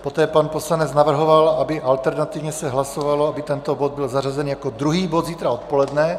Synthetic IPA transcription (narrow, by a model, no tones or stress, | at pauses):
po̞t̪ɛːpanpo̞slanɛt͡snavr̩ɦo̞valabɪʔalt̪ɛɾnat̪ivɲɛsɛɦlasovaloabɪt̪ɛnt̪o̞bod̪̚bɪlzarazɛniːjakod̪ɾuɦiːbod̪ziːt̪ɾao̞t̪̚po̞lɛd̪nɛ